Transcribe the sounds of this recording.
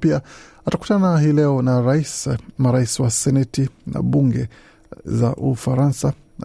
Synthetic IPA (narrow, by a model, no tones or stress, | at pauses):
piaataku̥tanahiːlɛɔnaɾaismaɾaisiwasɛnɛtina̰ɓuŋɡɛ | za̰ʔufaɾansa